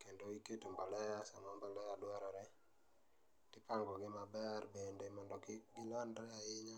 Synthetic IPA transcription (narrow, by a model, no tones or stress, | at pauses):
kendoiketombalɛjasamambalɛjadwaɾɔɾɛ | d̥ɪpaŋɡɔɡɪmabɛrbendemɔndɔkɪɡɪlandɾɛaɪɲa